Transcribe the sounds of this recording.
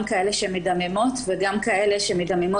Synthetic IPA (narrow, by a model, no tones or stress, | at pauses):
mkae̞leʃemidamemo̞t̪veɡamkae̞leʃemidamemo